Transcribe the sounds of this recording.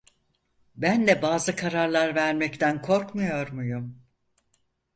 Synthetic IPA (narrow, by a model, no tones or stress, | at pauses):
bænd̪ɛbaːzɯkʰaɾaɾlˠaɾvæɾmɛct̪ʰænkʰo̞ɾkmujo̞ɾmujum